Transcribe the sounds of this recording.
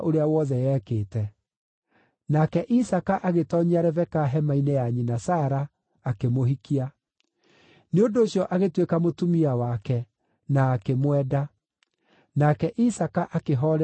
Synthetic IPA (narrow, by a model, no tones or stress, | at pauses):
ʔoɾeawɔðɛjɛːkeːtɛ | nakɛʔisakaʔaɣetɔɲiaɾɛvɛkaɦɛmainɛjaɲinasaːɾaː | kemoɦikia | neondoːɕjɔʔaɣetwekamotumiawakɛ | naːkemwɛːda | nakɛʔisakaʔakeɦɔɾ